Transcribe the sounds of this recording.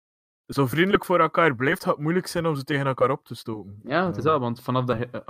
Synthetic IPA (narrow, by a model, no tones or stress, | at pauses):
zoːvrindələkfoːɾɛlˠkaːrblɛjfthɑtmujləksɛjnɔmzəteːɣənɛlˠkaːɾɔp̚təstoːpənjaːtɪsɛʋɑntfɑnɑfdə